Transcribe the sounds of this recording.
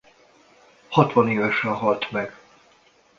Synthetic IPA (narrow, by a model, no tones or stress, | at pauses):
hɒt̪ʋɒneːvɛʃrɛɦɒlt̪mɛɡ̥